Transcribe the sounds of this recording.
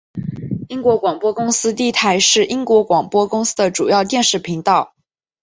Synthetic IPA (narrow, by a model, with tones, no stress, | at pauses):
i˥ŋkwɔ˧˥kwɑ˨˩ŋpwɔ˥kʊ˥ŋsɹ̩˥t̪i˥˩t̪ʰa˧˥ɪʂɻ̩˥˩i˥ŋkwɔ˧˥kwɑ˨˩ŋpwɔ˥kʊ˥ŋsɹ̩˥d̪ə˨ʈ͡ʂu˨˩jɑ˥˧ʊt̪jɛ˥˧nʂɻ̩˥˩pʰi˧˥ŋt̪ɑ˥˩ʊ